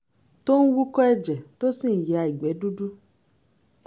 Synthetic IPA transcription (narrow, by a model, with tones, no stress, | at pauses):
to˦ñ̩˦wu˦kɔ˦ɛ˧d͡ʒɛ˨to˦sĩ˦˨jɛ˨a˧i˨ɡ͡bɛ˨˦du˦du˦